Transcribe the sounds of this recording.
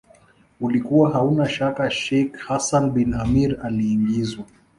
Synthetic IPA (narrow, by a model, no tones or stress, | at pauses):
ulikuwaɦaunaʃakaʃɛkhasanbinamiɾaliːŋɡizwa